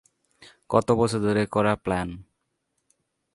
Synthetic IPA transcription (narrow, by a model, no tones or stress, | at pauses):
kɔt̪obɔsɔd̪ʱɔɾekɔɾaplan